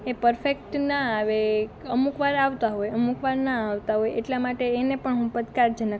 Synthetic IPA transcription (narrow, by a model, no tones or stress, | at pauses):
epəɾfek̚ʈnaːʋeəmukʋaɾaʋt̪aɦojəmukʋaɾnaaʋt̪aɦojeʈlamaʈeːnepəɳɦũpəd̪kaɾd͡ʒənə